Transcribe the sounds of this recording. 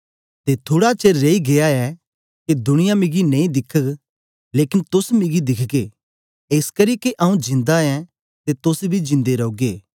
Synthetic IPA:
t̪et̪ʰoːɽat͡ʃeːɾːeːiɡeaɛ | ked̪ʊɽ̃ɪjamɪɡinɐ̃ĩd̪ɪkʰːək | leːkɪnt̪ʊsmɪɡid̪ɪkʰɡeː | eːskɐɾiːkeʔɐːũd͡ʒɪ̃nd̪aɛ̃ | t̪et̪ʊsbʱid͡ʒɪ̃nd̪eɾɐuɡeː

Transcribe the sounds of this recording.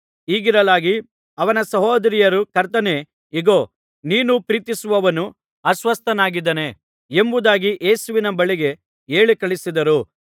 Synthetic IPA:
iːɡiɾɐlaːɡi | ɐʋɐnɐsɐɦoːd̪ɐɾijɐɾukɐɾt̪ɐne̞ | iɡoː | niːnupɾiːt̪isuʋɐʋɐnu | ɐsʋɐst̪ɐnaːɡid̪ɐne | embud̪aːɡiʔeːsuʋinɐbɐɭiɡe̞ | eːɭikɐɭisid̪ɐɾu

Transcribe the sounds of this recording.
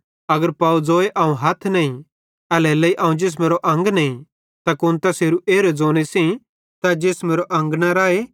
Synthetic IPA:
ɐɡəɾpaːud͡zoːeʔɐːũɦɐt̪ʰnɐĩ | ɐlɛlɐiʔɐ̃ːũd͡ʒeːs̬meːɾoʔɐ̃ŋɡnɐĩ | t̪akʊnt̪ɐseːɾuʔeːɾed͡zoːɽ̃esĩ | t̪ɐd͡ʒeːsmeːɾoʔɐ̃ŋɡnaɾaːe

